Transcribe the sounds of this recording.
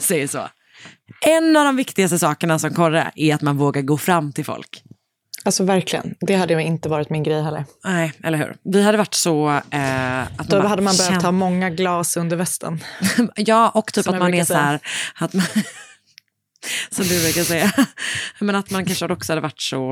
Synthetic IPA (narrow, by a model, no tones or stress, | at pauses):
sɛjəʂɔ̰ | ʔɛnːavd̪ɔmvɪkt̪ɪɡast̪əsɑːkəɳasɔmkʰɔɾə̰ʔæɾat̪manvoːɡaɾɡoːfɾamːt̪ʰɪlfɔ̰lk | alsɔvæɾklɪɡə̰nd̪ɛhad̪ːəjaɪnt̪əvɑːɾɪt̪mɪnɡɾɛjɦɛlːə̰ɾnɛɪɛlːəɾhʉ̟̰ːɾvɪhad̪ːəvaʈːsɔɛat̪mahad̪ːəmanbɾatt̪ʰːhɑːmɔŋːaɡlɑːsɵnd̪əɾvɛst̪ʰə̰njɑːʔɔkːt̪ʰyːpamanɛsɔhæːɾat̪man | sɔmd̪ɵvɾʉɾkasɛjːa | mɛnat̪mankʰanʂəhad̪əɔksɔ̥had̪əvaʈːsɔ